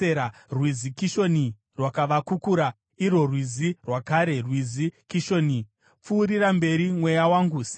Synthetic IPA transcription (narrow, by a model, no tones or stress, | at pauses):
eɾarwizikiʃo̞ni | rwakaʋakukuɾa | iro̞rwizirwakaɾe̞rwizikiʃo̞ːni | p͡fuːɾiɾambe̞ɾimwe̞jawaŋɡusi̥